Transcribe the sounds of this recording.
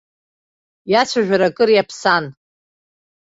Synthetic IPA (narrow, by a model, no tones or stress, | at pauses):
jat͡sʷʰaʒᶣaɾakʼɨɾjapʰsan